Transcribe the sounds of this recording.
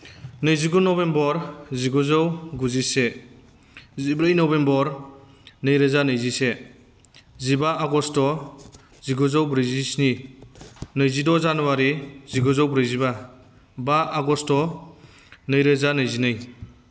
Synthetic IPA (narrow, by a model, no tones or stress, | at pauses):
nɯjziɡunɔbembɔɾziɡɔzɔwɡuzise | zibɾɯjnɔbembɔɾ | nɯjɾezanɯjzise | zibaaɡɔstɔ | ziɡɔzɔwbɾijzisni | nɯjzidɔzanɔwaɾiziɡɔzɔwbɾɯjziba | baʔaɡɔstɔ | nɯjɾezanɯjzinɯj